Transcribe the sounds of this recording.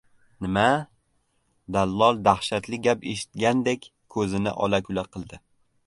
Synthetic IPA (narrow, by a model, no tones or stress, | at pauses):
nɪma | d̪alːɒlˠd̪ahʃat̪lɪɡʲapeʃɪ̥t̪ɡʲand̪e̞kʲ | kʰɵzɪnɪ̰ʔɒ̰lakʲʰʊlaqʰɨlˠd̪ɪ